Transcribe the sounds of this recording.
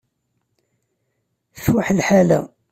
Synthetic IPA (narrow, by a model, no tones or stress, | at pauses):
swaħlħalæ̰